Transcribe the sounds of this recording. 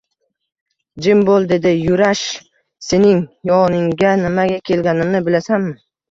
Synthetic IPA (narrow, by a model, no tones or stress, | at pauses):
d͡ʒɪmbolˠd̪e̞d̪ɪjʊɾaʃ | se̞nɪŋjɒnɪŋɡʲanɪmaɡʲakʲʰe̞lɡʲanɪmnɪbɪlasanmɪ